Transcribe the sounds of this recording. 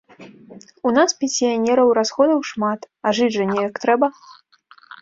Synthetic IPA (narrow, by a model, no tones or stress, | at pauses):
unaspʲɛnʲsʲijanʲɛɾɐwɾasxɔd̪ɐwʂmat̪ | ɐʐɨd͡zʲʐɐnʲɛjɐkt̪ɾɛbɐ